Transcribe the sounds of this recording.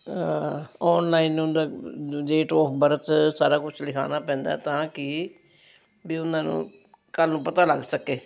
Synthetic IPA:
ɔːnlaːinːũnd̪aːɖeːʈɔːpʰbəɾət̪saːɾaːkʊt͡ʃʰlɪkʰa̰ːnaːpɛ̃ːnd̪a̰ːɛt̪ãːkɪ | biːʊnãːnṵ̃ː | kəlnũːpət̪aːləɡsəkeː

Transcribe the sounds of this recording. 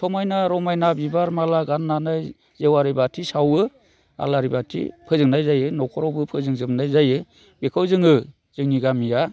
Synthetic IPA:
tʰɔmajnaɾɔmajnabibaɾmalaɡanːanaj | zewaɾibatʰisawɯ | a̰laɾibatʰḭpʰɯzɯŋnajzajɯnɔkʰɔɾɔwbɯpʰɯzɯŋzɯmnajzajɯ | bekʰɯwzɯŋɯ | z̥ɯŋniɡamija

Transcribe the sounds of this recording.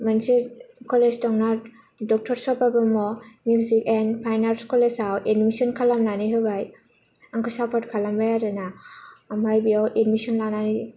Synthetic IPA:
mansekʰɔlestɔŋna | dɔk̚tʰɔɾsɔpabamɔmjuzikenpʰajnalskɔlesawʔedmisɔnkʰalamlaniɦɯbaj | aŋkʰɔsapʰɔtkʰalambajaɾɯnamajbiawʔetmisɔnlanani

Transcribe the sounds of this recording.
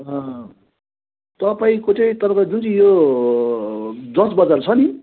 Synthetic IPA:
ɦʌ̃ | t̪ʌpaĩkot͡sʌĩt̪ʌɾʌpad͡zunt͡sʰʌĩjo | d͡zʌsbʌd͡zart͡sʰʌni

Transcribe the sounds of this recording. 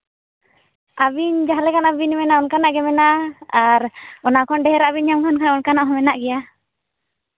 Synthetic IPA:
abiɲd͡ʒaɦlɛkanabinmɛnaɔnkanaʔɡɛmɛnaːɾɔnakɔnɖɛɦɛɾaabiɲamkʰɔnkʰanaʔɔnkanaʔɦɔmɛnaʔɡɛja

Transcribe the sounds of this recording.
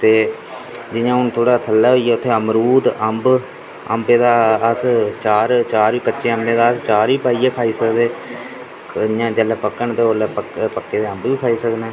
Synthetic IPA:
t̪eː | d͡ʒɪjãːʊnt̪ʰoːɽaːt̪ʰəlːɛːɦoiːɛːʊt̪ʰːeːəmɾuːd̪əmb | əmbẽːd̪aːəst͡ʃaːɾt͡ʃaːɾiːkət͡ʃːʃeːəmbẽːd̪aːəst͡ʃaːɾiːpaːiːɛːkʰaːiːsəkd̪eː | jãːd͡ʒəlɛːpəkːəɳt̪eːoːlɛːpəkpəkːeːd̪eːəmbʋiːkʰaːiːsəknɛː

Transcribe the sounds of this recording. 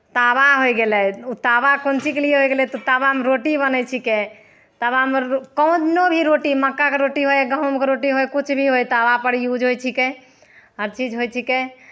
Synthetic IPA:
t̪abaɦojɡelɛut̪abakont͡ʃikelieɦojɡelɛt̪ɔt̪abaɦmɾoʈibənɛt͡ʃʰike | t̪abaɦmɾkɔ̃w̃d̪inobʱiɾoʈiməkːakeɾoʈiɦojɡəɦmkeɾoʈiɦojkut͡ʃʰbʱiɦojt̪abapəɽijud͡ʒɦojt͡ʃʰike | ɦəɾt͡ʃid͡ʒɦojt͡ʃʰike

